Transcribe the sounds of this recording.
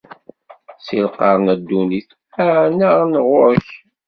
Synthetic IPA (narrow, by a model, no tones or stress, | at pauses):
silqɑɾˤnæd̪ːuniθ | æʕnəʁnəʁʊɾç